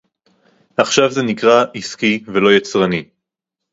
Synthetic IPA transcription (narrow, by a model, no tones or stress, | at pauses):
haχʃavzenikʁaʔiskivelo̞jat͡sʁani